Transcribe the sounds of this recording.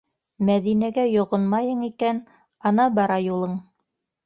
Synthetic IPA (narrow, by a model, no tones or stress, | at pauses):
mæðinæɡæjŏʁonmɑjɤɴikæn | ɑnɑbɑɾɑjulˠɤɴ